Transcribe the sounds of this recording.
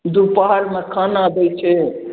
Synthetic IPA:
d̪upaɦaɾmekʰanad̪ɛjt͡ʃʰɛ

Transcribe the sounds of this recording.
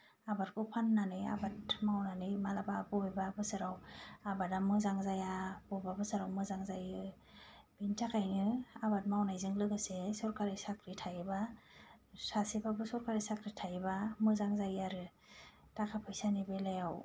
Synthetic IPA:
abat̚kʰɔpʰanːanɯja̰bat̚mawnanɯjmalababɔjbabɯsɯɾawabadamɯzaŋzajabɔbabɯsɯɾawmɯzaŋzajɯ | b̥intʰakʰajnɯabat̚mawnajzɯŋlɯɡɯsesɔɾkaɾɯsakɾitʰajba | sasebabɯsɔɾkʰaɾisakɾitʰajbamɯzaŋzajaɾɯ | takʰapʰɯjsanibelajaw

